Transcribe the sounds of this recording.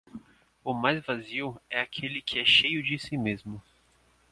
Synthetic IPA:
ʊmajzvaziwɛakʰelɪkʰɪɛʃejʊd͡ʒɪsimezmʊ

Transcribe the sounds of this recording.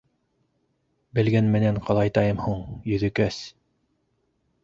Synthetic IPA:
bɘ̆lɡænmɘ̆næɴqʰɑlˠɑjt̪ɑjɤmhuɴjɵ̆ðɘ̆kæs

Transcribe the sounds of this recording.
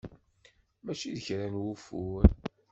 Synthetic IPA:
mæt͡ʃiðəçɾænwufuɾ

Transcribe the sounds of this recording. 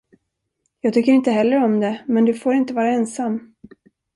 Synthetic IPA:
jɑːɡt̪ʏkːəɾɪnt̪əɦɛlːəɾɔmd̪ɛmɛnd̪ɵfoːɾɪnt̪əvɑːɾaɛnsamː

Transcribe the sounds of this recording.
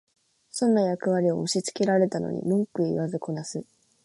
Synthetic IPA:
sõ̞nːajakɯ̟βaɾʲio̞̰ɯɕit͡sɨ̥ke̞ɾaɾe̞t̪ano̰ɲ̟ḭmõŋkɯ̟iiβazɨko̞nasɨ

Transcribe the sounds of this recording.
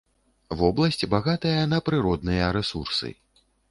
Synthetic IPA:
vɔblˠɐsʲt͡sʲbaɣat̪ɨjɐnɐpɾɨɾɔd̪nɨjɐɾɛsursɨ̰

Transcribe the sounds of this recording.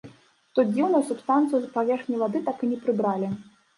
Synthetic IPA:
t̪ɔd͡zʲiwnujusʲupst̪ant̪sɨjuzɐpavʲɛrxnʲijvad̪ɨt̪akɨnʲɛpɾɨbɾalʲi

